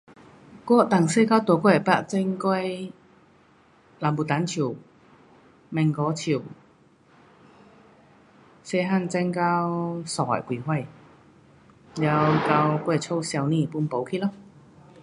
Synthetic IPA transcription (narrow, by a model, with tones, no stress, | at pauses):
kɔ˥t̪a˨˩ŋse˥kaː˥˩wt̪o˨˧˩kʷɔ˥˩jɐ˨˩pa˧˥t͡sɛ˥ŋka˥j | laː˨˩mpu˨˩t̪aː˨˥nt͡sʰiː˨˩w | mɛ˨˩ŋkɔː˨˥t͡sʰi˨˩w | sɛ˧˥ɦa˥˩nt͡sɛ˥ŋkaː˦˥wsɔ˧˩wa̰˨˩kwiː˨˩kwɐ˥˩j | jɐ˨˧wka˧wkwa˥˩˨t͡sʰo˥wsɛ˧wniː˧˥˨pu˧˥npo˨˥wkʰi˥lɔ˥